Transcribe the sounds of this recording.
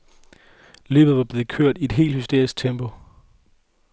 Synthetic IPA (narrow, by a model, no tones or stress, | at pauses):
lø̰ːb̥ð̩ˠʋɑ̈b̥le̝ːð̩ˠkʰøɐ̰d̥ie̝d̥ɦe̝̰ːlhysd̥e̝ɐ̰isɡ̥̚t͡sʰemb̥ʰo